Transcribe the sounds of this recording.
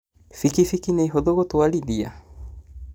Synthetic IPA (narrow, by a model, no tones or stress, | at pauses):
fikifikineiɦoðoɣotwaliðia̰